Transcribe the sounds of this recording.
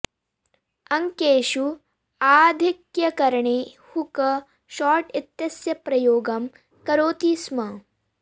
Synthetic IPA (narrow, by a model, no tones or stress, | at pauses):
ɐŋkeːʃu | aːd̪ʱikjɐkɐɾɐɳeː | hukɐ | ʃɔːɾʈɪt̪jɐsjɐpɾɐjoːɡɐm | kɐɾoːt̪iːsmɐ